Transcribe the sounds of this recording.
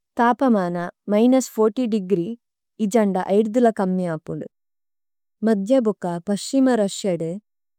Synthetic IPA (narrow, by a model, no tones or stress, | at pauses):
t̪aːpɐmaːnɐmɐjnɐspʰoːɾʈiɖiɡɾi | id͡ʒɐɳɖɐʔɐjɽud̪ulɐkɐmːiaːpuɳɖu | mɐd̪ʱjɐbukɐpɐʃt͡ʃimɐɾɐʂjɐɽe